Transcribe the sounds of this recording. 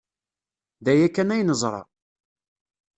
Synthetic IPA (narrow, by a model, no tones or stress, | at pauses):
ðæjækːænæjnəzˤɾˤɑ̰